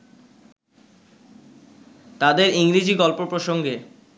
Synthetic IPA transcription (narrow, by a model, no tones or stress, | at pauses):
t̪ad̪eɾiŋɾid͡ʑiɡɔlpopɾoʃoŋɡe